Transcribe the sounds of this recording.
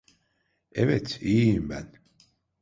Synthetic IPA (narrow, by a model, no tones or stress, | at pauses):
ɛvɛt̪ʰiːimbæn